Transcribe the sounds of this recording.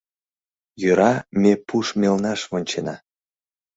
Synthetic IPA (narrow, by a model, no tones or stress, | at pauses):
jøɾɑmepuʃmelnɑʃvonʲt͡ɕenɑ̰